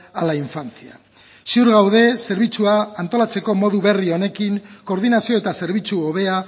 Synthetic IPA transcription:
alaiɱfant͡sia̰ | siuɾɣawðe̞se̞ɾβit͡suaːnt̪o̞lat͡se̞ko̞mo̞ðuβe̞rio̞ne̞kiŋko̞ːɾðinasio̞e̞t̪ase̞ɾβ̞it͡suoβe̞a

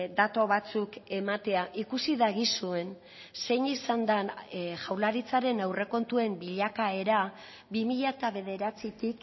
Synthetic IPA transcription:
d̪at̪o̞βat͡suke̞mat̪e̞aʔikusiðaɣisue̞n | se̞jɲisand̪anʝawlaɾit͡saɾe̞nawre̞ko̞nt̪ue̞mbiʎakae̞ɾa | bimiʎat̪aβe̞ð̞e̞ɾat͡sit̪ik

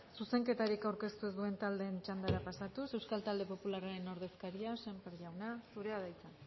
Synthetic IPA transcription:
suse̞ŋke̞t̪aɾikawɾke̞st̪ue̞zd̪ue̞nt̪ald̪e̞ːnt͡ʃand̪aɾapasat̪use̞wskalt̪ald̪e̞po̞pularaɾe̞no̞ɾð̞e̞skaɾiasempeɾʎawnasuɾe̞aðajt͡san

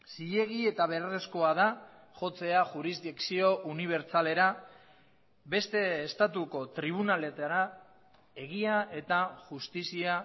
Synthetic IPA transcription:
siʎe̞ɣie̞t̪aβ̞e̞ɾresko̞að̞a | ʝo̞t͡se̞aʝuɾizd̪iksio̞ʔuniβ̞e̞ɾt͡sale̞ɾa | be̞st̪e̞ːst̪at̪uko̞t̪ɾiβ̞unale̞t̪aɾa | e̞ɣ̞iaʔe̞t̪aʝust̪isia

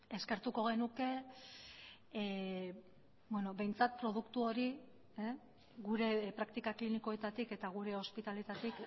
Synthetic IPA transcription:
eske̞ɾt̪uko̞ɣ̞e̞nuke̞ | bweno̞be̞jnt͡sat̪̚pɾo̞ð̞ukt̪uo̞ɾi | e | ɣuɾe̞pɾakt̪ikakliniko̞e̞t̪at̪ike̞t̪aɣ̞uɾe̞o̞spit̪ale̞t̪at̪ik

